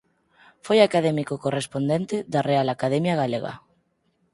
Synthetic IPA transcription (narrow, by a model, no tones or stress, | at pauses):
fojakaðɛmikokorespond̪ent̪eðarealakaðɛmjaɣ̞aleɣa̰